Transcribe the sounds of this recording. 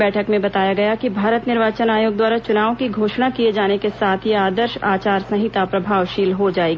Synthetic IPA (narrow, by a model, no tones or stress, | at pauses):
bɛːʈʰəkmẽbɐt̪aːjaɡɐjakibʱaːɾət̪nɪɾʋaːt͡ʃənaːjoːɡ̚d̪waːɾat͡ʃʊnaːʋõkiɡʱoːʃnakied͡ʒaːnekesaːt̪ʰjeaːd̪əɾʃa̰ːt͡ʃaːɾsɐ̃ɦɪt̪apɾɐbʱaːʋʃiːlɦod͡ʒaːeːɡː